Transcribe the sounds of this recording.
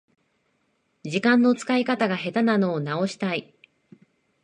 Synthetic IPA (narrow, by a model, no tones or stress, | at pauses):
d͡ʑikãnːo̞t͡sɨ̥kaikat̪aɡaɦe̞t̪anano̞ːnao̞ɕi̥t̪ai